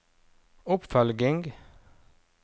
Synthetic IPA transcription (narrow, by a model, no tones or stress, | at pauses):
ʊpfœlɡɪŋɡ